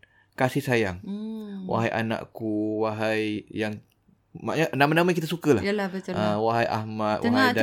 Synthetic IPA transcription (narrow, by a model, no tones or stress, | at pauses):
kasihsajaŋwa̰ɦajʔa̰nã̰ʔkuwaɦajjaŋ | ma̰ʔɲaʔnãmanãmãakit̪asukəlahjalabət̪ʊəwaɦajʔa̰hmãt̪w̰ɦada